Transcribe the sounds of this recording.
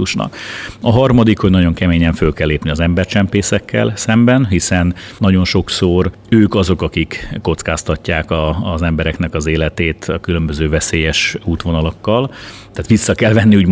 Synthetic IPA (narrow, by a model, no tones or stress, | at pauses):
uʃnɒ̰kɒɦɒrmɒd̪ikhoɟnɒɟo̞ŋkɛmeːɲɛɱfølkɛlːeːpniɒzɛmbɛrt͡ʃɛmpeːsɛkːɛ̰lsɛmbɛnɦisɛnːɒɟo̞nʃo̞ksor | øːkɒzo̞kɒkikːo̞t̪skaːst̪ɒcːaːkɒzɛmbɛɾɛknɛkɒzeːlɛt̪eːt̪ɒkylømbø̞zøːvɛseːjɛʃuːt̪ʋo̞nɒlɒkːɒl | t̪aːt̪ʋisːɒkɛlvɛnːiuːɟ